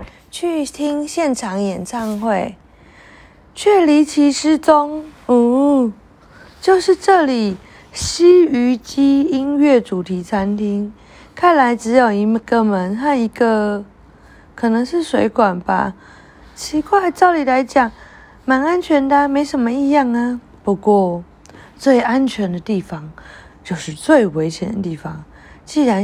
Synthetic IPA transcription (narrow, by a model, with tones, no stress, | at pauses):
t͡ɕʰy˥˧t̪ʰi˦˥ŋɕjɛ˥˨nʈ͡ʂʰɑ˧˥ŋjɛ˨˩nt͡sʰɑ˥˧ŋxwe˥˨ɪ | t͡ɕʰɥɛ˥˩li˧˥t͡ɕʰi˧˥ʂɻ̩˥t͡so˦ŋ˧ | t͡ɕjo˥˧ʊʂɻ̩˥˧ʈ͡ʂɤ˥˨˩li˨˩ | ɕi˥y˧˥˦t͡ɕi˥i˦nɥɛ˥˩ʈ͡ʂu˨˩t̪ʰi˨˥t͡sʰa˦˥nt̪ʰi˥ŋ | kʰa˥˩nla˧˦ɪʈ͡ʂɻ̩˧˥jo˨˩ʊi˧˦ɡə˨mə˨˦nɦa˥˧˩ni˧˥ɡə˧ | kʰɤ˨˩nɤ˧˥ŋʂɻ̩˥˩swe˧˥ɪkwa˨˩nba̰˦ | t͡ɕʰi˧˥kʰwa˥˩ɪt͡sɑ˥˩ʊli˨˩la˧˦ɪt͡ɕjɑ˨˩ŋ | ma˧˥na˦nt͡ɕʰɥɛ˧˥nd̪ə˧˦me˧˥ɪʂə˧˥nmə˧i˥˧jɑ˥˩ŋə˩ | pu˧˥kwɔ˥˧ | t͡swe˥˩ɪa˦nt͡ɕʰɥɛ˧˥nd̪ə˨t̪i˥˩fɑ˦ŋt͡ɕjo˥˧ʊʂɻ̩˥˧t͡swe˥˩ɪwe˧˥ɪt͡ɕʰjɛ̰˨˦nd̪ə˨˩t̪i˥˩fɑ˦ŋ | t͡ɕi˥˩ɻa˧˦